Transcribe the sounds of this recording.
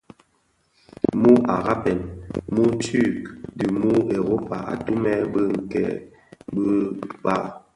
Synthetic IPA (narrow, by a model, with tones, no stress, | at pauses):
mu˦ʔa˨ɣa˦pɛ˨nmu˦ty˦˨kdi˨mu˦e˨ɾo˦pa̰˨ʔa̰˨tu˦mɛ˦bə˦ŋ̩˨kɛ̰˨ | bə˦ba˦